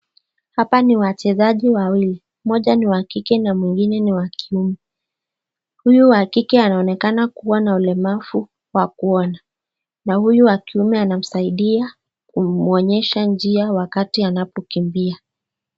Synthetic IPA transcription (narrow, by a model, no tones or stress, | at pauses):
hapaniwat͡ʃɛzaʄiwawili | mɔʄaniwakikɛnamwiŋɡinɛniwakiumɛ | hujuwakikɛanaɔnɛkanakuwanaulɛmafu | wakuɔna | nahujuakiumɛanam̩saiɗia | kumɔɲɛʃand͡ʒiawakatianapɔkimbia